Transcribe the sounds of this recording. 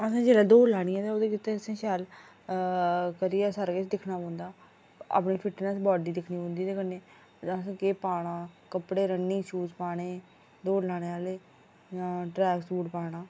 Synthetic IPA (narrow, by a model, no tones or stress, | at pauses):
əsãːd͡ʒeːlaːd̪oːlaːɽ̃ijãːt̪eːoːd̪eːkɪt̪ːeːəsẽːʃɛːl | kəɾiːɛːsəɾkɪt͡ʃd̪ɪkʰnaːõːnd̪aː | a̰ːpɳiːpʰɪʈnəsbɔːɖiːd̪ɪkʰniːbõːnd̪iːt̪eːkəneː | d͡ʒãːəsãːkeːpaːɽ̃ãːkəpɽeːɾənːiːt͡ʃʰuːzpaːɽ̃eː | d̪oːɾlaːɽ̃eːaːleː | jãːʈɾɛːɡsuːʈpaːɽ̃aː